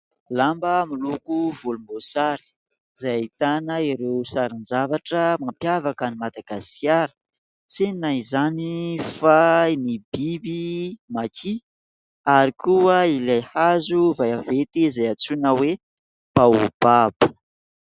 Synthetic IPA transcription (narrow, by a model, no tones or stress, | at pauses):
lambəmilukuvulumbosaɾi̥ | zajit̪anəiɾewsaɾind͡ʒavaʈ͡ʂəmampjavakənimad̪aɡasi̥kʲjaɾə̥ | t͡senaizanifajnibibimakʰi | aɾikʰuəilajhazuvajavet̪izajat͡sunəwe | b̥aub̥abə̥